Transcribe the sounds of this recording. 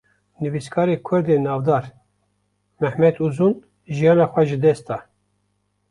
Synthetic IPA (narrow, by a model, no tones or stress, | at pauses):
nɨviskʰɑːɾeːkʰʊɾd̪eːnɑːvd̪ɑːɾ | mɛhmɛt̪uzun | ʒijɑːnɑːxʷɛʒɨd̪ɛst̪ɑː